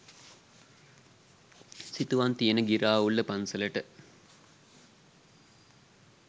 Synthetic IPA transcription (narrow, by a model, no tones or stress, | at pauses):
sit̪uʋant̪ijənəɡiɾaːulːəpansələʈə